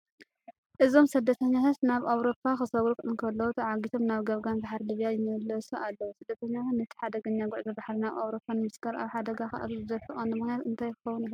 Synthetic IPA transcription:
ʔɨzo̞msɨd̪ːɐt̪ʰɐɲːat̪at̪naβawɾo̞pʰːaxɨsɐɡɾukʼʔɨnkʰɐlːɐwut̪ʰɐʕaɡit̪ʰomnaβɡɐβɡanbaħɾlɨβjajɪmɐlɐsuʔalːɐwusɨd̪ːɐt̪ʰɐɲːatat̪nɐt̪ʰi̥ħad̪ɐɡɐɲːaɡuʕzibaħɾinaβa̰wɾo̞pʰːanmɨsɡɐɾa̰βħad̪ɐɡaxa̰ʔa̰t̪izɨzɐfɨxʼɐnːɨmɨxnjat̪ɨnt̪ʰajkɨ̥xɐwːunɨh

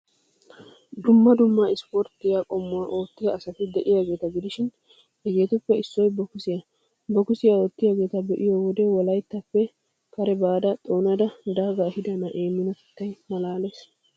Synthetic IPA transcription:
d̪ʊmːɐd̪ʊmːɐɪspɔɾt̪ːɪjakʼɔmːʊwaːʔo̞ːt̪ːɪɡɐːsɐt̪ɪd̪ɛʔɪjaːɡe̞ːt̪ɐɡɪd̪ɪʃɪn | ɛɡe̞ːt̪ʊpːɛɪsːɔjbɔkʊsɪjɐ | bɔkʊsɪjao̞ːt̪ːɪjaːɡe̞ːt̪ɐbɛʔɪjoːwɔd̪ɛwɔlɐjt̪ːɐpːɛ | kɐɾɛbaːd̪ɐt̪ʼo̞ːnɐd̪ɐd̪aːɡahɪd̪ɐnɐʔe̞ːmːɪnɐt̪ɪ̥t̪ːɐjmɐlaːles

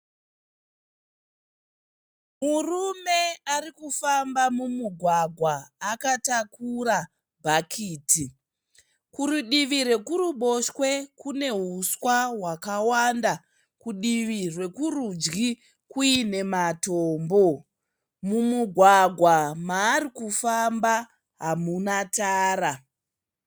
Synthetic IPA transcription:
murume̞arikufambamumuɡʱwaɡʱwaːkatakura | bʱakʰiːti | kuɾuɗiʋiɾe̞kuɾuɓo̞ʃwe̞kune̞ɦuswawakawanda | kuɗiʋirwe̞kurud͡ʒɡi | kuine̞matoːmbo̞ | mumuɡʱwaɡʱwamaːɾikufamba | ɦamunataːra

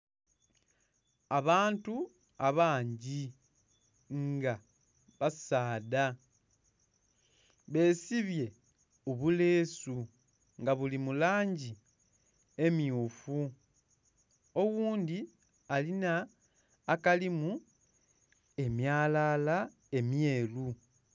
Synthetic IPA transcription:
aβaːntu | aβaːɲɟi | ŋɡa | βasaːda | βe̞ːsiβje̞ | oβule̞ːsu | ŋɡaβulimulaːɲɟi | e̞mijuːfu | o̞wuːndi | alinaː | kalimu | e̞mjaːlala | e̞mje̞ːlu

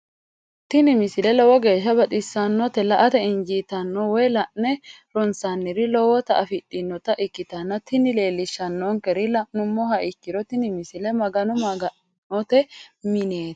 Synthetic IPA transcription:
t̪ɪnɪmɪsɪlɛlɔwɔɡe̞ːʃːɐbɐt̪ʼɪsːɐnːɔt̪ɛlɐʔɐt̪ɛɪnd͡ʒiːt̪ɐnːɔwɔjlɐʔnɛ | ɾɔnsanːɪɾɪlɔwɔt̪ɐʔɐfɪtʼːɪnːɔt̪ɐʔɪkːɪt̪ɐnːɐt̪ɪnɪle̞ːlːɪʃːɐnːɔŋkɛɾɪlɐnʊmːɔɦɐʔɪkːɪɾɔt̪ɪnɪmɪsɪlɛmɐɡɐnɔmɐɡɐ | nɔt̪ɛmɪne̞ːt̪

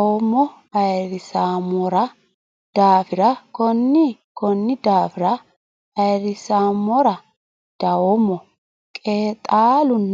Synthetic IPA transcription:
womːɔ | ɐjɾɪsaːmɔɾɐ | d̪̥aːfɪɾɐkɔnːɪkɔnːɪd̪aːfɪɾɐ | ɐjɾɪsaːmːɔɾɐ | d̪̥ɐwomɔ | kʼeːt̪ʼaːlʊnː

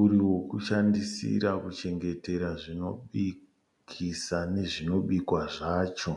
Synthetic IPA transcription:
uɾiwo̞kuʃandisḭɾakut͡ʃe̞ŋɡe̞te̞ɾaʐino̞ɓi | kʰisane̞ʐino̞ɓikwaʐaːt͡ʃo̞

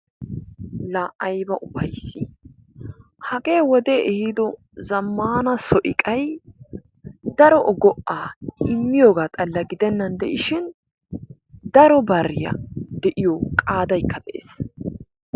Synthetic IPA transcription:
laːʔɐjbɐʔʊbɐjsːɪ | hɐɡe̞ːwɔd̪eʔɛhɪd̪ɔ | zɐmːaːnɐsɔʔɪkʼɐj | d̪ɐɾɔʔɔɡɔʔːaːʔɪmːɪjoːɡaːt̪ʼɐlːɐɡɪd̪ɛnːɐnd̪ɛʔɪʃɪn | d̪ɐɾɔbɐrːɪjɐ̰d̪ɛʔɪjɔkʼaːd̪ɐjkʰːɐd̪ɛʔḛːs

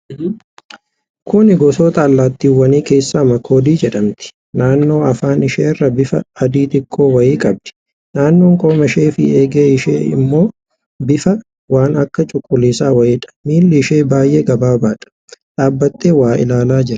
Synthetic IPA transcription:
kʰʊnɪɡɔsoːt̪ɐːlːaːt̪ːiːwːɐniːke̞ːsːaːmɐkʰoːd̪iːd͡ʒɛᶑɐmt̪ɪ̥ | naːnːo̞ːɐfaːnɪʃeːrːɐbɪfɐ̰ɐd̪iːt̪ɪkʰːoːwɐiːkʼɐb̚d̪̥ɪ̥ | naːnːo̞ːŋkʼoːmɐʃeːfɪeːɡeːɪʃḛːɪ̰mːo̞ː | bɪfɐ | waːnɐkːɐt͡ʃʼʊkʼːʊlːiːsaːwɐʔiːᶑɐ̥miːlːɪɪʃe̞ːbaːjʔeːɡɐbaːbaːᶑɐ̥ | ᶑ̪ʼaːbːɐt̪ːeːwaːɪ̰laːlaːd͡ʒɪɾɐ̥

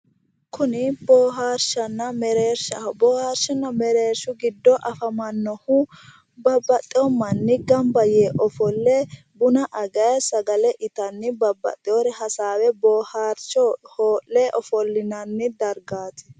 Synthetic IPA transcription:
kʊnɪboːɦaːɾʃɐnːɐmɛɾeːɾʃɐbɔːhaːɾʃɪnːɐmɛɾeːɾʃʊɡɪd̪ːɔʔɐfɐmɐnːɔhʊ | bɐbːɐt̪ʼːɪɔmɐnːɪɡɐmbɐjeːʔɔfɔlːɛ | bʊnɐʔɐɡɐjsɐɡɐlɛʔɪt̪ɐnːɪbɐbːɐ̰t̪ʼːɪjɔɾɛhɐsaːwɛbɔːhaːɾt͡ʃɔhoːlːɛʔɔfɔlːɪnɐnːɪd̪ɐɾɡaːt̪ɛ̥

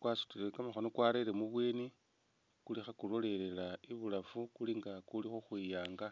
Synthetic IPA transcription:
kwasu̥tilekamaxo̞no̞kwaɾeɾemuβweːni | kulixakulo̞le̞le̞laiβulafukuliŋɡakulixuxwijaːŋɡa

